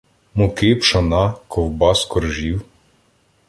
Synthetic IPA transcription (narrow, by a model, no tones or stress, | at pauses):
mʊkepʃɔnɑkʰɔwbɑskɔɾʒiw